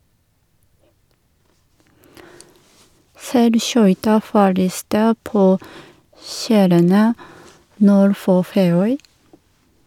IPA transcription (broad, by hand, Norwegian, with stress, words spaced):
ˈsæɪlˌʃœʏtɑ fɔˈɭiːstə ˈpoː ˈʃæːɾənə ˈnuːɾ ˈfoː ˈfeːˌœʏ